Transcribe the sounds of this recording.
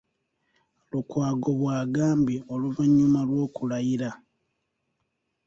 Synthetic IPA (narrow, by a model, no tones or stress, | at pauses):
lukwaːɡo̞βwaːɡaːmbio̞luvaɲːumalwo̞ːkulajiɾa